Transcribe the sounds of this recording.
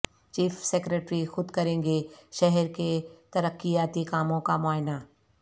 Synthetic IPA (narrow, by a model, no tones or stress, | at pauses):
t͡ʃiːfseːkɾeːʈɾixʊd̪kɐɾẽːŋɡeʃɛɦɛɾket̪ɐɾəkːijaːt̪ikaːmõkamʊaːɦɪnaː